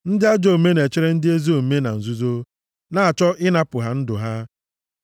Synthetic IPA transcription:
n̩˦dɪ˦a˦d͡ʒo˦˨me˦ne˨t͡ʃɪ˦ɾe˦n̩˦dɪ˦e˦zi˦o˨me˦na˨n̩˨zu˦zo˦ | na˦a˨t͡ʃɔ˦ʔɪ˦na˦pʊ˨ɦa˦n̩˦dʊ˨ɦa˦

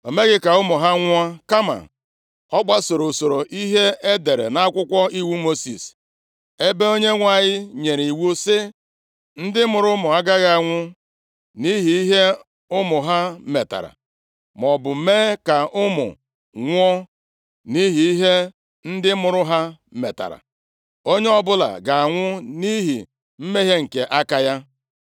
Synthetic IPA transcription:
o˨me˦ɡɪ˦ka˨ʊ˦mʊ˨ɦa˦ŋʷ˦ɔ˦ka˦ma̰˨ | ɔ˦ɡ͡ba˦so˨ɾo˨so˨ɾo˨ʔi˦ɦe˦e˦de˨ɾḛ˨na˦kʷʊ˦kʷɔ˦i˦wu˦mo˦sḭ˨s | e˦be˦o˦ɲe˦ŋʷa˨ɲɪ˦ɲe˨ɾi˨wu˦sɪ˦ | n̩˦dɪ˦mʊ˨ɾʊ˦mʊ˨a˦ɡa˦ɣa˨a˨ŋʷʊ˦ | ni˦ɦi˨i˦ɦe˦ | ʊ˦mʊ˨ɦa˦me˨ta̰˨ɾa̰˨ | m˨ɔ˨bʊ˨˦meː˦ka˨ʔʊ˦mʊ̰˨ | ŋʷ˦ɔ˦ | ni˦ɦi˨i˦ɦe˦ | n̩˦dɪ˦mʊ˨ɾʊ˦ɦa˦ | mḛ˨ta̰˨ɾa̰˨ | o˦ɲe˦ɔ˦bʊ˦la̰˨ɡa˨a˨ŋʷʊ˦ni˦ɦḭ˨ | m̩˦me˦i˦ɦe˦ŋ̩˨ke˨ʔa˦ka˦ja˦

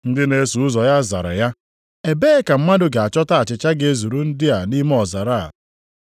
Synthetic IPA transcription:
n̩˦dɪ˦ne˨˦su˨ʊ˦zɔ˨ja˦za̰˨ɾa̰˨ja˦ | e˨be˦ka˨m̩˦ma˦dʊ˦ɡa˨a˨t͡ʃɔ˦ta˦a˨t͡ʃɪ˨t͡ʃa˦ɡe˦zu˨ɾu˦n̩˦dɪ˦a˨ni˦m˦ɔ˨za˨ɾa˦a̰˨

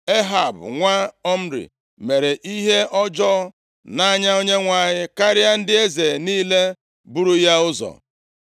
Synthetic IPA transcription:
e˦ɦa˨bŋʷa˦ɔ˦m̩˦ɾḭ˨ | me˨ɾe˨ʔi˦ɦe˦ʔɔ˦d͡ʒɔ˦ | na˦ɲa˦o˦ɲe˦ŋʷa˨ɲɪ˦ka˦ɾɪ˦a˦n̩˦dɪ˦e˦ze˨niː˦le˦ | bu˦ɾu˦ja˦ʊ˦zɔ̰˨

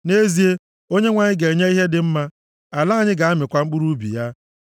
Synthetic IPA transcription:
ne˦zi˨e˦ | o˦ɲe˦ŋʷa˨ɲɪ˦ɡe˨ɲe˦i˦ɦe˦dɪ˨m̩˦ma˦ | a˨la˦a˦˨ɲɪ˦ɡa˨a˦mɪ˨kʷa˦ŋ͡m̩˦k͡pu˦ɾu˦bḭ˨ja˦

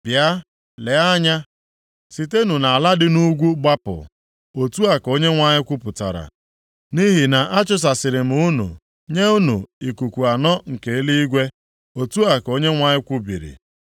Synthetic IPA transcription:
b̥ja˦ | le˨˦a˦ɲa˦ | si˨te˦nu˨na˨a˨la˦dɪ˦nu˦ɡʷu˦ɡ͡ba˦pʊ̰˨ | o˨tu˦a˨ko˦ɲe˦ŋʷa˦ɲɪ˦kʷʊ˦pʊ˨ta̰˨ɾa̰˨ | ni˦ɦi˨na˨ʔa˦t͡ʃʊ˦s̬a˨sɪ˨ɾɪ˨m̩˦u˦nṵ˨ | ɲe˦u˦nṵ˨i˨ku˨kʷu˨a˨nɔ˦ŋ̩˨ke˨˦li˦i˦ɡʷe˦ | o˨tu˦a˨ko˦ɲe˦ŋʷa˦ɲɪ˦kʷʊ˦bḭ˨ɾḭ˨

